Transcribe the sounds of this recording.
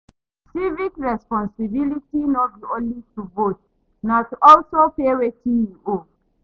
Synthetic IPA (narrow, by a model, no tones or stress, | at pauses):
sivikɹɛspɔ̃nsibilitinɔt̚biõnlituvot̚ | natɔlsopewetĩio